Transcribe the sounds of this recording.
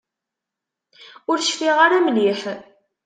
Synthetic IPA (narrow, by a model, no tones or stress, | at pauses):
ʊɾʃfiʁaɾæmliħ